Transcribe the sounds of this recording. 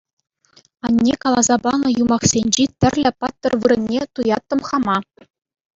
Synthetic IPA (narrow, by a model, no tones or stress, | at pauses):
ɑnʲːekɑlˠɑzɑbɑnɤ̆jumɑχsʲenʲd͡ʑit̪ʲɘ̆rʲlʲɘ̆pɑt̪ːɤ̆rʋɯɾɘ̆nʲːet̪ujɑt̪ːɤ̆mχɑmɑ